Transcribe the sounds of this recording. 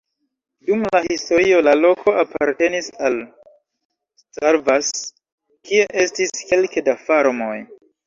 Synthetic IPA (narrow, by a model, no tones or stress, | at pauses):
dumlahisto̞ɾio̞lalo̞kʰo̞apʰaɾte̞nisal | staɾvas | kie̞ʔe̞stiske̞lkedafaɾmo̞j